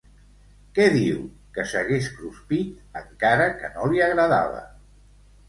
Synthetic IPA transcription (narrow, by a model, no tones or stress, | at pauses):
kɛðiw | kəsəɣeskɾuspit̪ | əŋkaɾəkə̰noliəɣɾəða̰β̞ə̰